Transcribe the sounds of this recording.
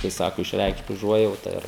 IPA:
kɐɪ ˈsɑːkʊ ɪʃʲˈrʲɛɪkʃt ʊˈʒuɔjɛʊtɐ ˈɪr

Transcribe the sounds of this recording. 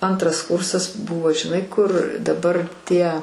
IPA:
ˈɐntrɐs ˈkʊrsɐs ˈbʊʋoː ʒʲɪˈnɐɪ kʊr dɐˈbɐr ˈtʲiɛ

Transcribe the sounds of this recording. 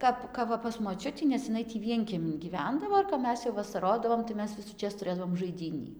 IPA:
ˈkɐp ˈkɐp ʋɐ pɐs moːˈt͡ʃʲʊtʲiː nʲɛs jɪˈnɐɪ tʲiː ˈʋʲiɛŋʲkʲiɛmʲɪn ɡʲiːˈʋʲɛndɐʋoː ɪr kɐp ˈmʲɛs jɛʊ ʋɐsɐˈroːdɐʋoːm tɐɪ ˈmʲɛs ʋʲɪsuːˈt͡ʃʲeːs tʊˈrʲeːdɐʋoːm ʒɐɪˈdʲiːnʲiː

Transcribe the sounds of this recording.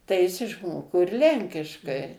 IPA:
tɐɪ ˈjɪs ɪʃˈmoːkoː ɪr ˈlʲɛŋʲkʲɪʃkɐɪ

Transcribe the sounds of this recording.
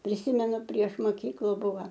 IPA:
pʲrʲɪˈsʲiːmʲɛnʊ pʲrʲiɛʃ moːˈkʲiːklˠʊ ˈbʊʋɐ

